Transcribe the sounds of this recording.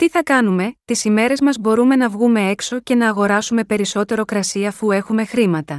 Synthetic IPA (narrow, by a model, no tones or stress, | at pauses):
t̪iθɐkɐnume̞t̪isime̞ɾe̞zmɐzbo̞ɾume̞nɐvɣume̞e̞kso̞ce̞nɐːɣo̞ɾɐsume̞pe̞ɾiso̞t̪e̞ɾo̞kɾɐsiɐːfue̞xume̞xɾimɐt̪ɐ